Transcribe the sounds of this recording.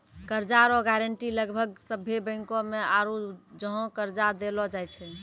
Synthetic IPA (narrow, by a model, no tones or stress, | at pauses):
kəɾd͡ʒaɾɔɡɛɾəɳʈiləɡbʱəɡsəbʱːebə̃ɪŋkõmeaɾud͡ʒəɦɔ̃kəɾd͡ʒad̪elɔd͡ʒajt͡ʃʰɛ